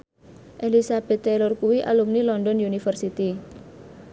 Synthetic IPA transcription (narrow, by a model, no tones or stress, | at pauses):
ʔelisab̥ɛ̤t̪ːɛlɔrkuwiʔa̰lumnilɔndɔnjunifərsit̪i